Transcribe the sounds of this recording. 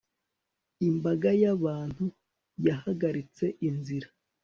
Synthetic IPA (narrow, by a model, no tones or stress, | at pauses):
imbaɡajaβaːn̥hu | jahaɡaɾit͡se̞ʔinziɾa